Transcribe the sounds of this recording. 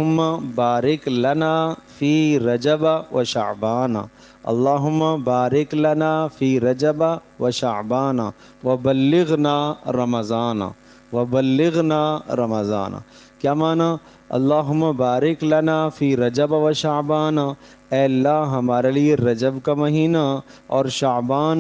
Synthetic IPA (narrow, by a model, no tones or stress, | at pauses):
ʊmːabaːɾɪklɐnaːfiːɾɐd͡ʒɐbaʋɐʃɐ̰ʕbaːna̰ | ɐ̰lːaːɦʊmːabaːɾɪklɐnaːfiːɾɐd͡ʒɐba | ʋɐʃɐʕbaːna | ʋɐbɐlːɪɣnaːɾɐmɐzaːna̰ | ʋɐbɐlːɪɣnaːɾɐmɐza̰ːna̰ | kjaːmaːna | ɐ̰lːaːɦʊmːabaːɾɪklɐnaːfiːɾɐd͡ʒɐbaʋɐʃaːbaːna | ɛːlːaɦɦɐmaːɾelieɾɐd͡ʒəbkamɐɦiːna | ɔːɾʃabaːn